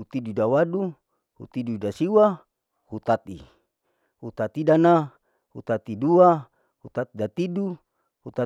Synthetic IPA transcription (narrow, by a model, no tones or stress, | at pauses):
ut̪idudawadu | hṵt̪idudasiwa | hut̪at̪ḭ | hut̪at̪idana | hut̪at̪idua | hut̪at̪idat̪idu | hut̪a